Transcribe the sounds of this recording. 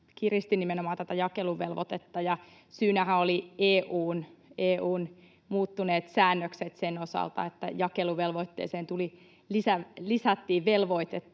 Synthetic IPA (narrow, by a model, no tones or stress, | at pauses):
kirist̪inimenomɑːnt̪æt̪æjɑkeluʋelʋo̰t̪et̪ːɑjɑ | syːnæhæolieːʔuːneːʔuːn | muːt̪ːuneːt̪sæːnːøkset̪senosɑ̰lt̪ɑ̰et̪ːæ̰jɑkeluʋelʋoit̪ːḛːseːnt̪uli | lisælisæt̪ːiːʋʋelʋo̞it̪et̪ːɑ